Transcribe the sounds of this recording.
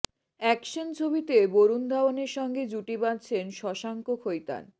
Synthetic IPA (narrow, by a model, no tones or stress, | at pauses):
ɛkʃont͡ɕʰobit̪eboɾund̪ʱaoneɾʃɔŋɡed͡ʑuʈibat͡ɕʰenʃɔʃaŋkokʰojt̪a̰n